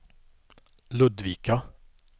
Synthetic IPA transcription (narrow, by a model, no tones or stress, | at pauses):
lʉd̪ʋiːkɑ